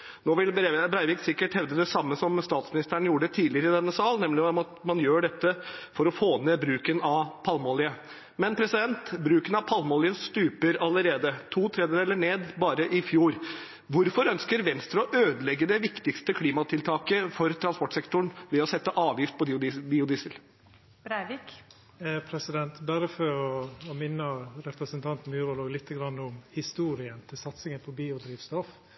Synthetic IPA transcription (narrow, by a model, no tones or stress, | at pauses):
noːʋɪlbɾebɾæɪʋɪːksɪkːəʈhɛʋd̪əd̪ɛsɑmːəsɔmst̪ɑːt̪smɪnɪst̪ʰæːɳ̩juːɖɛt̪ʰiːlɪəɾəɪd̪ɛnːəsɑːlnɛmlɪɔmɑt̪mɑnjøːɖɛt̪ːəfɔɾɔfoːnebɾʉːkənɑʋpʰɑlmɔːlɪə | mɛnpʰɾɛsɪd̪ɛnt̪bɾʉːkənɑʋpʰɑlmɔːlɪəst̪ʉːpəɾɑlːəɾeːd̪ət̪ʰuːt̪ʰɾɛːd̪əd̪ɛlːəɳeːd̪bɑːɾəʔɪfjuːɾ | ʋʊɾfɔɾœnskəɾʋɛnst̪ɾɑʔøːd̪əlɛɡːəd̪ɛʋɪkt̪ɪkst̪əkʰliːmɑt̪ʰɪlt̪ʰɑːkəfɔɾt̪ʰɾɑnspɔʈːsɛkt̪ʊɳʋɛɔsɛt̪ːəʔɑːʋjɪft̪̚pʰɔbiːʊd̪iːsəl | bɾæɪʋik | pʰɾɛsɪd̪ɛnt̪bæːɾəfɔɾɔɔmɪnːəɾɛpɾəsənt̪ʰɑnt̪n̩mjʉːɾɔloːɡlɪt̪ːəɡɾɑnːʊmhɪst̪uːɾɪənt̪ʰɪlsɑt̪sɪŋənpʰɔbiːʊd̪ɾiːʋst̪ɔf